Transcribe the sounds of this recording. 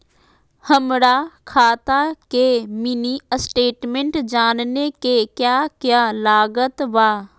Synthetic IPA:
həmɾakʰaːt̪akeminisʈeːʈmẽɳʈd͡ʒaːnnekekjaːkjaːlaːɡət̪ʋaː

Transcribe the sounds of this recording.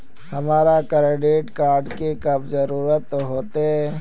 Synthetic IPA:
hɐmaːɾakɐɾeɖeːʈkaːɾɖkekɐbzɐɾuːɾət̪ɦoːt̪eɦɛː

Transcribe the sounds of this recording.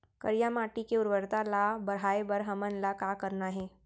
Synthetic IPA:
kə̰ɾijamaːʈikeʊɾʋəɾt̪alabəɾ̤aːebəɾɦəmənlakakəɾnaɦɛ̃

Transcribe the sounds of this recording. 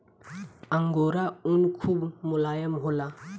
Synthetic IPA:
aŋɡoɾaunkʰubmulajəmɦula

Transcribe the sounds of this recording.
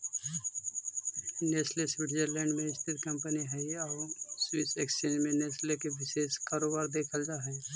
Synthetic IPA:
neːslesʋɪʈd͡ʒəɾlɛ̃ːɳɖmẽɪst̪ʰɪt̪kɐ̃mpəniɦɛiɔːɾswɪseksenmẽneːslekeʋɪʃeːskaːɾoːbaːɾd̪eːkʰəld͡ʒaɦɛ

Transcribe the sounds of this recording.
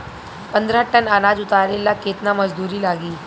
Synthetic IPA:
pənd̪ʱɾaʈənanaːd͡ʒʊt̪aɾelakeːt̪naməd͡ʑd̪uːɾiːlaːɡiː

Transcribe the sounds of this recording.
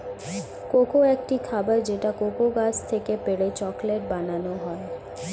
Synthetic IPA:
kokoekʈikʰabaɾd͡ʑeʈakokoɡat͡ɕʰt̪ʰekepeɽet͡ɕɔkleʈ̚bananoɦɔe

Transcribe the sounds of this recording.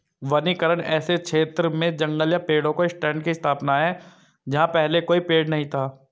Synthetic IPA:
ʋɐnikəɾəɽ̃ɛ̰ːsekʃʰeːt̪ɾəmẽd͡ʒɐ̃ŋɡəljapeːɽõkoɪsʈɛ̃ːɳɖkiɪst̪ʰaːpnaɦɛ | d͡ʒɐɦãpɛɦlekoːipeːɽnɐɦĩt̪ʰaː

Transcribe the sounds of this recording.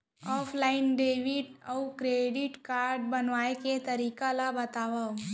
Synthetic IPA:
ɔːpʰlaːɪnɖeːʋɪʈɔwkɾeːɖɪʈkaːɾɖbɐnʋaːeket̪ɐɾiːkalabɐt̪aːʋa

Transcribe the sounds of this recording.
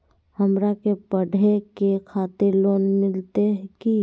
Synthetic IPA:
həmɾakepəɖʱekekʰaːt̪eɾloːnmɪlt̪eɦki

